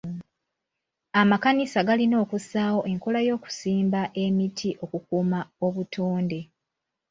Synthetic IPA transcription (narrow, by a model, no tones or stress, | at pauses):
amakanisaɡalino̞ːkusaːwo̞ʔe̞ŋko̞lajo̞ːku̥siːmbaʔe̞mitʰiʔo̞kukuːmao̞βutʰoːnde̞